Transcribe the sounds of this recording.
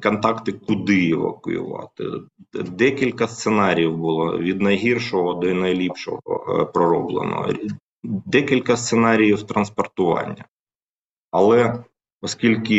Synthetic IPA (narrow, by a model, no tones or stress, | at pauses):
kɔnt̪ɑkt̪ɪkʊd̪ɪɪʋɐ̰kʊ̰jʊ̰ʋɑ̰t̪ɪ̰d̪ɛkʲilʲkɐst̪senɑɾʲijiwbʊlˠɔ̰ʋʲid̪nɐjɦirʃɔɦɔd̪ɔinɐjlʲipʃɔ̰ɦɔ̰pɾɔɾɔblˠḛnɔ̰ɦɔ̰ | d̪ɛkʲilʲkɐst̪senɑɾʲijiwt̪ɾɐnspɔrt̪ʊʋɑ̰nʲːɐ | ɐlˠɛ | ɔskʲilʲkɪ